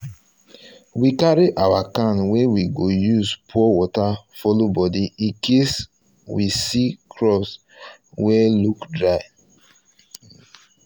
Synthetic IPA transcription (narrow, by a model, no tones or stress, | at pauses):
wikaɹiʔawakãnwɛwiɡojuspʰuɔwɔtafɔlobɔdiikʰes | wisikʰɹɔs | wɛlukdɹaɪ